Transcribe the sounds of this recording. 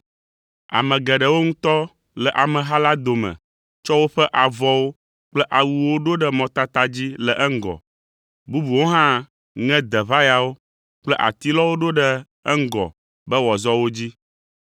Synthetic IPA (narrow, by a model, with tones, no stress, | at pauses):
a̰˨mɛ̃˨ɡɛ˨ɖə˨wo˦ŋũ˦t̪ɔ˦ | lɛ˨ʔa˨mɛ̃˨ɦa˦la˦d̪o˨mɛ̰̃˨ | t͡ʃɔ˦wo˦ɸə˦ʔa˨vɔ˦wo˦ | k͡plɛ˦ʔa˨wu˨wo˦ɖo˦ɖə˦mɔ̃˨t̪a˦t̪a˦d͡ʑi˦lɛ˨ʔɛ˦ŋ̩˦˨ɡɔ̰˨ | bu˦bu˨wo˦ɦã˦ | ŋɛ̃˦d̪ɛ˨βa˦ja˨wo˦ | k͡plɛ˦ʔa̰˨t̪i˦lɔ˦wo˦ɖo˦ɖə˦ | ɛ˦ŋ̩˦ɡɔ̰˨ | bə˦wɔ˨zɔ˦wo˦d͡ʑi˦